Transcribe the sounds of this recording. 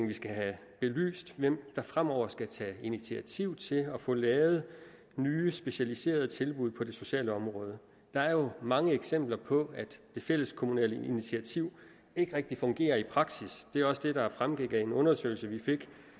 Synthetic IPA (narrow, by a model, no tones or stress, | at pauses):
ŋʋisɡ̥æɦæ | b̥e̝ly̰ːsd̥ʋem̰d̥ɑ̈fʁam̰ɒʊ̰ɐsɡ̥æt͡sʰɛ̰init͡sʰiæt͡sʰiʊ̰t͡sʰe̝lɒ̽fɔ̽ːlɛːʊð̞̩ˠ | nyːsb̥e̝ɕælise̝̰ːɐð̞̩ˠt͡sʰe̝lb̥uð̞̰ˠpʰɒ̽de̝so̝ɕɛ̰ːləɒ̽mʁɔ̽ːð̞ˠə | d̥ɑ̈æɐjo̝mɑ̈ŋəeɡ̥sem̰b̥lɐpʰɒ̽æd̥d̥e̝fel̰əskʰo̝munɛ̰ːləinit͡sʰiæt͡sʰiʊ̰ | e̝ɡ̥əʁɛɡ̥̚d̥ifɔ̽ŋɡ̥e̝̰ːɐipʰʁɑ̈ɡ̥sisd̥e̝æɒ̽səd̥e̝d̥ɑ̈fʁamɡ̥eɡ̥æe̝nɔ̽nɐsø̰ɪl̩səʋife̝ɡ̥